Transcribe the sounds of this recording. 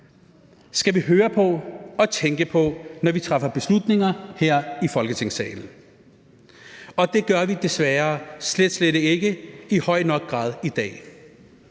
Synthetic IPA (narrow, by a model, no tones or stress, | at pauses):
sɡ̥æʋiɦøːɐpʰɒ̽ɒ̽t͡sʰeŋɡ̥əpʰɒ̽nɒʋit͡sʰʁɑ̈fɐb̥e̝slud̥ne̝ŋɐheɐ̰ifɒ̽lɡət͡sʰe̝ŋsɛ̰ːɪln̩ | ɒ̽d̥e̝ɡ̥ɶɐʋid̥e̝sʋæːɐsled̥sleɾe̝ɡ̥əihɒ̽ɪ̰nɒ̽ɡ̥̚ɡ̥ʁɑ̰̈ːðˠid̥ɛ̰ː